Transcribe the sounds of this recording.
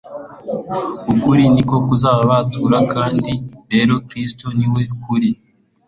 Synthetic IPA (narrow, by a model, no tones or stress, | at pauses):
ukuɾiniko̞kuzaːβaβatuɾakaːndiɾe̞ɾo̞kɾistoniwe̞kuɾi